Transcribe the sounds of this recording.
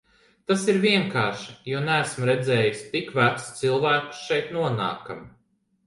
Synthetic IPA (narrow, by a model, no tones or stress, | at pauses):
t̪asiɾviɛŋkaːɾʃi̥juɔnæːsmɾɛd̪zɛːjusʲt̪ikvæt̪st̪silˠvæːku̥sʃɛjt̪nuɔna̰ːka̰m